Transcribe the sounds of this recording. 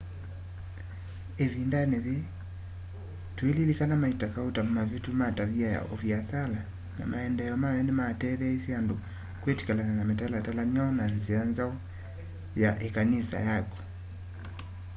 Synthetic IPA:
ɛvindanɛði | tuɛlilikanamaitakautam̩mavjitumataβiaja̰ʔɔviasala | na̰maɛndɛjɔmajɔnimatɛðɛisiandɔ | kwɛti̥kalananamɛtalatalamiaɔnanzianzaɔ | jaʔɛkanisa̰jakɔ̥

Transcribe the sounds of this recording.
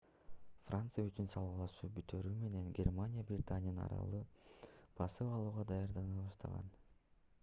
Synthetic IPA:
frʔant̪sɨjayt͡ʃynsɑlˠɑlˠɑʃuːbyt̪øɾyːme̞ne̞nɡʲermanʲijabrʲɪt̪anʲɪjənɑ̰ɾɑ̰lˠɯ | pʰɑsɯwɑlˠuːʁɑd̪ɑjɑɾd̪ɑnɯβɑʃt̪ɑ̰ʁɑ̰n

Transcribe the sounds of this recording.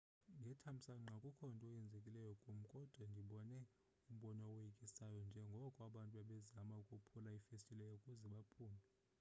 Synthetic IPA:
ŋɡʱɛtʰam̩saŋ͡ǁʱakʼukʰɔntʼɔjɛnd͡zʱekʼilɛjɔkʼum̩kʼɔd̥ʱwandʱiɓɔnɛ | um̩ɓɔnɔwjikʼisajɔnd͡ʒʱɛŋɡʱɔkʼwaɓantʼuaɓɛzamaukʼupʰulaifestʼilɛjɔukʼuzɛɓapʰuːmɛ

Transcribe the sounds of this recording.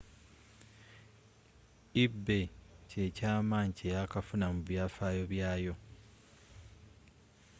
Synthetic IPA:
ibːe̞ce̞caːmaːɲicejakafunamuβjaːfaːjo̞βjaːjo̞

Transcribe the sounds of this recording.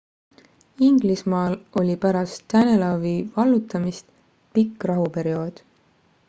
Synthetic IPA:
iŋɡ̥lismɑːlo̞lʲipæɾɑst̪ːænelɑvivɑlːut̪ːˑɑmist̪ | pikːˑrɑɦupe̞ɾio̞ːd̪̥

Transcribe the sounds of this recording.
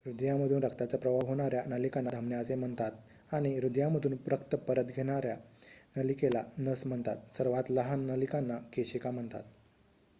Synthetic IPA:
ɾud̪jaməd̪ʱuːnɾəkt̪at͡səpɾəʋaʋɦoɽ̃aɾjanəlikanːad̪ʱəmnjat͡sem̤əɳt̪at̪ | aɽ̃iɾud̪jaməd̪ʱuːnpɾəkt̪əpəɾət̪ɡʱeɽ̃aɾjanəlikelanəsm̤əɳt̪at̪̚səɾʋat̪ləɦanːəlikanːakeɕikam̤əɳt̪a̰t̪

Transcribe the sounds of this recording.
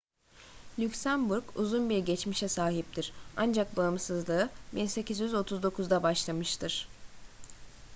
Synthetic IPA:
lʲycsæmbuɾkṵzunbiɾɟet͡ʃmiʃɛsaːɦip̚t̪ʰiɾ̥and͡ʒak̚baɯmsɯzlˠɯɯbinse̞cʰizjyzo̞t̪ʰuzd̪o̞kʰuzd̪abaʃlˠamɯʃt̪ʰɯɾ̥

